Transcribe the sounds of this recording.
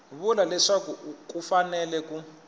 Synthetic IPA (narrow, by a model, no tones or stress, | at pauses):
βulalɛʂakuukufanɛlɛku